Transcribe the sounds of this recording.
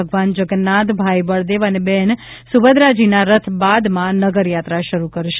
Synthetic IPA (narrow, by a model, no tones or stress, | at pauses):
əɡʋand͡ʒəɡənːat̪bʱajbəɭd̪eʋənebɛnsuʋəd̪ɾad͡ʒinaɾət̪ʰbad̪mãnəɡəɾjat̪ɾaʃəɾukəɾʃ